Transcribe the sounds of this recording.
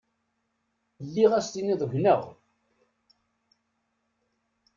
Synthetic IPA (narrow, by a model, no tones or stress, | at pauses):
lːiʁæst̪iniðˤəʝʷnəʁ